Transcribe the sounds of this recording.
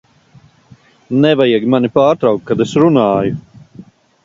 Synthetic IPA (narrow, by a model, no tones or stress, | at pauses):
nɛvajiɡmanipaːɾt̪ɾawk̚kːad̪esɾunaːju